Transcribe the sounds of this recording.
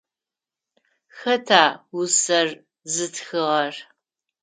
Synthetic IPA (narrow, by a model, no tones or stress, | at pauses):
xɐtʰaːwʊsɐr | zɨtʰxɨʁɐr